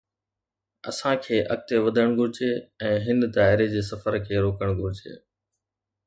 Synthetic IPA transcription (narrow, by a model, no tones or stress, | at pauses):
ɐ̰sãkʰeːʔɐk̚t̪eʋɐd̪ʱəɽ̃ɡʱʊɾɪd͡ʑeːɛ̃ːɦɪnd̪aːɦɪɾed͡ʑeːsɐfəɾkʰeːɾoːkəɽ̃ɡʱʊɾɪd͡ʑḛː